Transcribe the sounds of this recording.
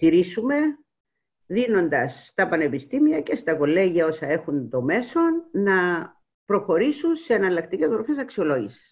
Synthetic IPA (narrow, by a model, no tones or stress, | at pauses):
t̪iɾisume̞ | ðino̞nd̪ɐsːt̪ɐpɐne̞pist̪imiɐce̞st̪ɐko̞lːe̞ʝiɐo̞sɐe̞xunt̪o̞me̞so̞nːɐ | pɾo̞xo̞ɾisunseːnɐlɐkt̪icezbɾofesɐksio̞lo̞ʝisi̥s